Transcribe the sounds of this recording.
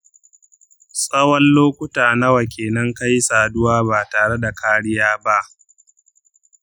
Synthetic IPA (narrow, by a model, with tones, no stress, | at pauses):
sʼɐ˦wɐ˦nloː˦kʷʊ˦taː˨nɐ˦wa˨kʲʰeː˨nɐ˦ŋka˦jsaː˨dʊ˦waː˦ba˨taː˨ɽe˦da˨kaː˦ɽɪ˦jaː˦ba˦ʔ